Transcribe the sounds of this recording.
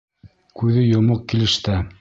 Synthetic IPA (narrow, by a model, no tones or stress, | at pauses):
kʉðɘjŏmoq̚kilɘ̆ʃt̪æ